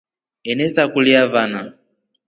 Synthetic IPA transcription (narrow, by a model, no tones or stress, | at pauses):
ɛnɛsakuliavana